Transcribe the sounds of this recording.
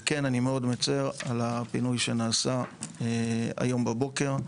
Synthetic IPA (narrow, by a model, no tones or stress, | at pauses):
kenanimeo̞d̪met͡seʁalapinujʃenaːsaea̰jo̞mbabo̞ke̞ʁ